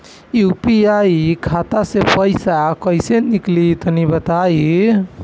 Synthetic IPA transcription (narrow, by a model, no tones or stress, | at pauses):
jupiaikʰat̪asepəjsakəjseniklit̪ənibət̪ai